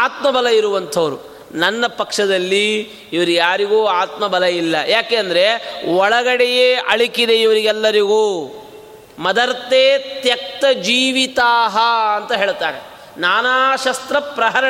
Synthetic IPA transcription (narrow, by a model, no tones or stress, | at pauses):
aːt̪mɐbʱɐlɐiɾuʋɐnt̪ʰɐʋɐɾu | nɐnːɐpɐkʂɐd̪ɐlːiː | ʋɐɾujaːɾiɡuːaːt̪mɐbʱɐlɐilːɐjaːkeːɐnd̪ɐɾe̞ɔɭɐɡɐɽɛjeːʔɐɭikid̪e̞iʋɐɾiɡɛlːɐɾiɡuː | mɐd̪ɐɾt̪eːt̪jɐk̚t̪ɐd͡ʒiːʋit̪aːɦɐɐnt̪ɐɦeːɭt̪aːɾe | naːnaːʃɐst̪ɾɐpɾɐɦɐɾɐ